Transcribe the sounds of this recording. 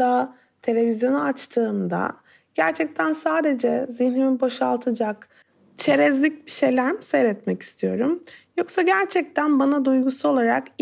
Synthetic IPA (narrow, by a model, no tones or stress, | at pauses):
a | t̪ʰelʲe̞vizjo̞nuat͡ʃt̪ʰɯːmd̪a̰ | ɟ̥æɾt͡ʃʰɛc̚t̪ʰænsaːd̪e̞d͡ʒɛziçniminboʃalˠt̪ʰɯd͡ʒak | t͡ʃʰe̞ɾɛzlʲic̚biʃe̞jlʲæɾmisɛjɾɛt̪mɛci̥st̪ʰijo̞ɾumjo̞ksaɟæɾt͡ʃʰɛc̚t̪ʰænbanad̪ujɡusuo̞lˠaɾa̰k